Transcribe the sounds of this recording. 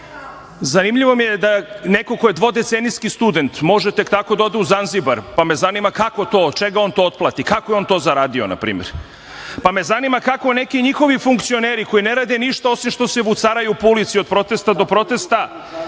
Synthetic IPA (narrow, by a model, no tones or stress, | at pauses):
zanimʎiʋo̞mijed̪aneko̞kojed̪ʋo̞d̪e̞t̪seniskist̪ud̪e̞nt̪mo̞ʒet̪ekt̪ako̞d̪aod̪euzanzibaɾpame̞zanimakakot̪o̞ːt͡ʃe̞ɡao̞nt̪oot̪plˠat̪ikakojeo̞nt̪o̞zaɾaːd̪iona̰pɾḭːmḛɾ | pame̞zanimakakone̞kiɲixo̞ʋifuŋkt̪sio̞neːɾiko̞ineɾaːd̪eniʃt̪ao̞simʃt̪o̞se̞ʋut̪saɾajuːpulit̪siod̪̚pɾo̞t̪e̞st̪ad̪o̞pɾo̞t̪e̞st̪a